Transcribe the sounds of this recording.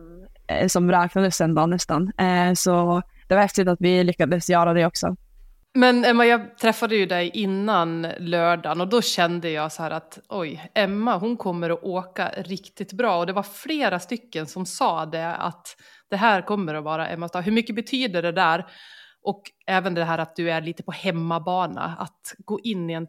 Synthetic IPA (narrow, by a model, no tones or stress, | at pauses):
sɔmɾɑːknad̪əsɛnd̪ɑːnːɛst̪ansɔ | d̪̥ɛvaɾhɛft̪ɪt̪at̪vɪlʏkːad̪əsjɑːɾad̪ɛɔksɔ̰ | mɛnɛmːajɑːt̪ʰɾɛfːad̪əjɵd̪ɛjʔɪnːanlœːɖanɔd̪ɔɕɛnd̪əjɑːɡsɔhæːɾat̪ʔɔjɛmːaɦʊnkʰɔmːəɾɔʔoːka̰ɾɪkt̪ɪt̪bɾɑːɔd̪ɛvaɾfleːɾast̪ʏkːənsɔmsɑːd̪ɛa̰t̪ | d̪̥ɛɦæːɾkʰɔmːəɾɔvɑːɾa̰ʔɛ̰mːast̪ɑːɦɵɾmʏkːəbɛt̪ʰyːd̪əɖɛd̪æːɾʔɔkɛːvənd̪ɛɦæːɾat̪̚d̪ɵæɭiːt̪ə̥pɔhɛmːabɑːɳa̰a̰t̪ɡoːʔɪnːɪɛn